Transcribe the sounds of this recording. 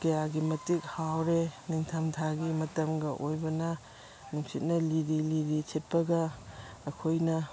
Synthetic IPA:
kɐjaɡimɐtik̚hawɾeniŋtʰamtʰaɡimɐtɐmɡɐʔojbɐnɐ | nuŋsit̚nɐliɾiliɾisʰet̚pɐɡɐː | kʰojnɐ

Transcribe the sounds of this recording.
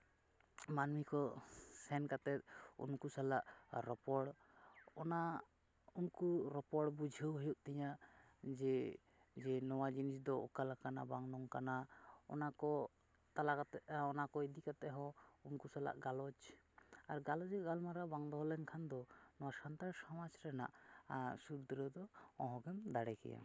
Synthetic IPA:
manmikɔsɛnkat̪ɛt̪̚ṵnkusalaʔɾɔpɔɽ | ɔna | unkuɾɔpɔɽbud͡ʒʱəwɦəjuʔ̚t̪ɛɲad͡ʒɛ | d͡ʒɛnɔwad͡ʒinisd̪ɔɔ̰kalakanabaŋnɔŋkanaɔ̰nakɔ | t̪alakat̪ɛɔnakɔid̪ikat̪ɛɦɔunkusala̰ʔɡalɔd͡ʒ | aɾɡalɔd͡ʒɛɡalmaɾabaŋd̪ɔɦɔlɛnkʰand̪ɔnɔwasant̪aɾsɔmad͡ʒɾɛna̰ʔsuɾd̪ɾəd̪ɔɔ̃ɦɔ̃ɡɛmd̪aɽɛkɛ̰ja̰

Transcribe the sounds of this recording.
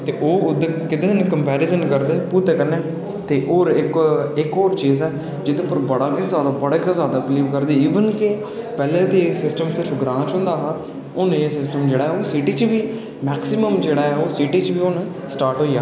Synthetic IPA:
t̪ḛːʔoːʊd̪kɪt̪eːd̪nːkəmpɛːɾɪzənkəɾd̪eːpuːɾt̪eːkəɾneː | t̪eːʔoːɾɪkɪkoːɾt͡ʃiːzɛː | d͡ʒɪd̪ẽːpəɾbəɽaːɪzaːd̪aːbəɽeːkazaːd̪aːpliːʋkəɾd̪iːiːʋənkɪ | pɛːlẽːd̪esɪsʈəmsɪɾfʰɡɾãːt͡ʃɦʊ̃nd̪aːɦãː | ʊneːsɪsʈəmd͡ʒeːɽaːɦɛːoːsiʈiːt͡ʃʋiː | mɛːksɪməmd͡ʒeːɽaːɛːoːsiːʈiːt͡ʃʋiːʊn | sʈaːɾʈɦoːiːaː

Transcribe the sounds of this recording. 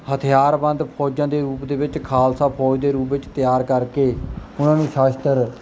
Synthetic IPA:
hət̪ʰɪjaːɾbə̃nd̪pʰɔːd͡ʒãːd̪eːɾuːpd̪eːʋɪt͡ʃkʰaːlsaːpʰɔːd͡ʒd̪eːɾuːp̬ʋɪt͡ʃt̪ɪjaːɾkəɾkeːʊnãːnũːʃaːʃt̪əɾ

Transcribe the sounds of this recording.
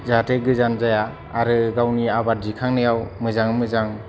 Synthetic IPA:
zateɡɯzanzajaː | ɾɯɡawniabadikʰaŋnɯjawmɯzaŋmɯzaŋ

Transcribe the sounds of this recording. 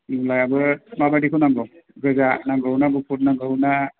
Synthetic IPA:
nulajabɯmabadikʰunambɔ | ɡɯzanaɡʱəwnaɡupʰut̚naɡʱəwna

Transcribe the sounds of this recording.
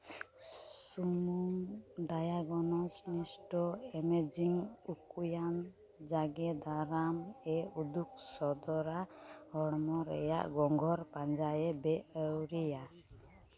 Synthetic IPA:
sumumɖajaɡɔnɔsnisʈɔɛmed͡ʒiŋukujan | d͡ʒaɡɛd̪aɾamɛud̪uk̚sɔd̪ɔɾahɔɽmɔɾɛ̰ja̰ʔɡɔŋɡʱɔɾpand͡ʒajɛbɛəwɾɛja

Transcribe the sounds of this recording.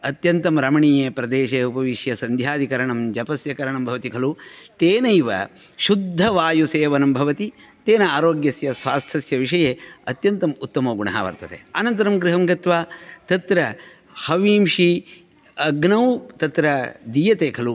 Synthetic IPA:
ɐt̪jɐnt̪ɐmɾɐmɐɳiːjeːpɾɐd̪eːʃeupɐʋiʃjɐsɐnd̪ʱjaːd̪ʱikɐɾɐɳɐmd͡ʒɐpɐsjɐkɐɾɐɳɐmbʱɐʋɐt̪ikʰɐlut̪eːnɐjʋɐ̰ | ʃud̪ʱːɐʋaːjuseːʋɐnɐmbʱɐʋɐt̪it̪eːnɐaːɾoːɡjɐsjɐsʋaːst̪ʰɐsjɐʋiʂɐjeːɐt̪jɐnt̪ɐmut̪ːɐmoːɡuɳɐ̰ɦa̰ːʋɐ̰ɾt̪ɐt̪ḛɐnɐnt̪ɐɾɐmɡɾiɦɐmɡɐt̪ʋaːt̪ɐt̪ɾɐ | hɐʋiːmʃi | ɐɡnɐwt̪ɐt̪ɾɐd̪ijɐt̪eːkʰɐlu

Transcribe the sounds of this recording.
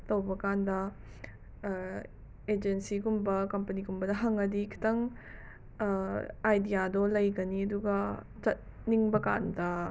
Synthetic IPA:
tɐwbɐkandɐ | ed͡ʒensiɡumbɐkɐmpɐniɡumbɐdɐɦɐŋɐdikʰi̥tɐŋ | ajdijadɔlɐjɡɐniɐduɡɐ | t͡ʃɐt̚ | niŋbɐka̰ndɐ

